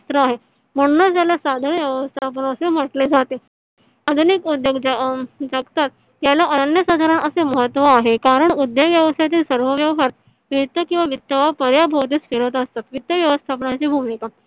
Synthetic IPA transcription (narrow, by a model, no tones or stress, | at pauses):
st̪ɾəaɦe | m̤əɽ̃unːad͡zjaljasad̪ʱanʋjəʋəst̪ʰap̬ənəsem̤əʈled͡zʱat̪e | əd̪ʱunikud̪jeɡd͡zd͡zaɡt̪at̪ː | jalaʔənjəsad̪ʱaɾanəseməɦət̪ːʋaːɦekaɾəɳud̪ːeɡʋjəʋəst̪ʰjat̪̬isəɾʋəʋjəʋɦaɾ | ʋit̪ːəkĩw̃ʋaʋit̪ːaʋapəɾjabʱəʋt̪̬iːt͡sfeɭət̪əst̪at̪ʋit̪ːəʋjəʋəst̪ʰapəɳat͡ɕibʱumika